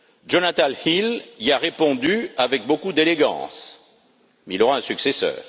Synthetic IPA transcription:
d͡ʒonat̪alhiliaʁepɔ̃d̪yavɛk̚bokud̪eleɡɑ̰̃s | mɛilɔʁaɛ̃syksesœ̰ːʁ

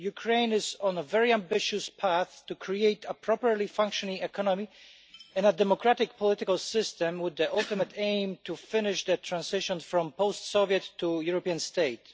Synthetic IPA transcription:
jukʰɹẽɪ̃nɪzɔ̃nəvɛɹiãmbɪʃɨspʰaθtukʰɹieɪt̪ʰəpʰɹɔpɹəlifãŋkʃɔnɪ̃ŋɛkʰɑnɔmi | ɛ̃nədɛmɔkɹatɪkpʰɔlɪt̪ɪkalˠsɪst̪ɛ̃mwɪðːiʔalˠt̪ɨmat̪ẽɪ̃mtʰufɪnɪʃd̪ət̪ʰɹãnsɪʃɔ̃nfɹɔ̃mpoʊst̪soviət̪ʰːujuɹɔpiãnst̪eɪt

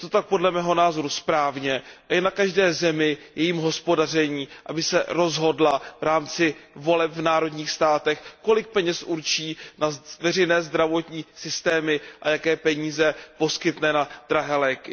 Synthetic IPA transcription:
t̪o̞t̪ak̚po̞dlɛmɛːɦo̞naːzo̞ɾuspɾaːvɲɛʔaɪnakaʒdɛːzɛmɪjɛjiːmɦo̞spo̞dar̝ɛɲiːʔabɪsɛ̰ɾo̞zɦo̞dlavɾaːmt͡sɪvo̞lɛpvnaːɾo̞dɲiːxst̪aːt̪ɛxko̞lɪk̚pɛɲɛsʔuɾt͡ʃiːnavɛrɛjnɛːzd̪ɾavo̞t̪ɲiːsɪst̪ɛːmɪʔajakɛːpɛɲiːzɛpo̞skɪt̪nɛnad̪̥ɾaɦɛːlɛːkɪ

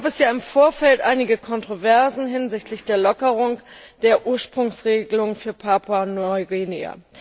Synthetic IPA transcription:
aːbɛsjaːɪmfoːɐfɛltʔaɪnɪɡəkʰɔntʁ̥ovɛɐzn̩ɦɪnzɪçtlɪçd̥eːɐlɔkəʁ̞ʊŋd̥eːɐʔuːɐʃpʁ̥ʊŋsʁeːɡəlʊŋənfyːɐpʰaːpʰwanɔʏɡinea̰

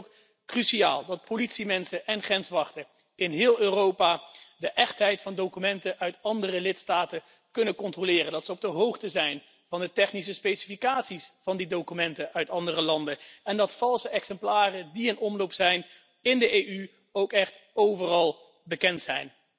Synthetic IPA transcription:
k | kryʃia̰ːlˠdɑt̚politsimɛnsəʔɛnχrɛnsʋɑχtə | ɪnɦɪːlˠøːrowpaːdəʔɛχtɦɛjtfɑndowkymɛntəʔœɥtɑndərəlɪtstaːtə | kɵnəkɔntrolɪːrəndɑtsəɔb̚dəɦowχtəzɛjn | v̥ɑndətɛχnis̬əspejsi̥fikaːtsisfɑndidowkymɛntəʔœɥtɑndərəlɑndəɛndɑtfɑlˠsəɛksɛmplaːrədiənɔmlowpsɛjn | ɪndəʔejʔy | owkɛχt | owvərɑlˠ | bəkɛntsɛjn

